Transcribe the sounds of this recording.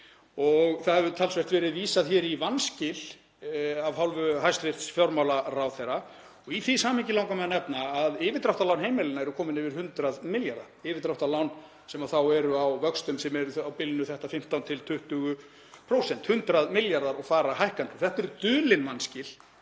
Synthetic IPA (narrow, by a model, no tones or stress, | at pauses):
ɔɣθahɛvʏt̪ʰalsvɛr̥t̪vɛːɾɪðviːsaðçɛːɾivanscɪl̥ | avɦalvʏɦajst̪fvɪr̥t̪sfjɔɾmawlaɾawθejɾa | ɔɣiθisaːmɪɲcɪlawŋkamɛðanɛpnaːðɪːvɪt̪ɾawht̪alawnɦejmɪlɪnːaɛɾʏkʰɔːmɪnɪvɪɾ̥hʏnt̪ɾaðmɪljaɾða̰ | ɪːvɪt̪ɾawht̪alawn | sɛmaθawɛɾʏawvœkst̪ʏmsɛmɛɾʏawpɪlnʏθɛht̪afɪm̥t̪awnt̪ʰɪlt̪ʰʏht̪ʏɣʏ | pʰɾoːwsɛn̥t̪hʏnt̪ɾaðmɪljaɾðaɾɔɣfaːɾaɦajhkant̪ɔθɛht̪ɛɾt̪ʏːlɪnvanscɪl